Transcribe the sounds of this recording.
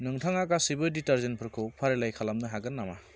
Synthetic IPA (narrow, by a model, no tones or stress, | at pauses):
nɯŋtʰaŋakasibɯditaɾzenpʰɯɾkʰɯwpʰaɾelajkʰalamnɯɦaɡɯnːama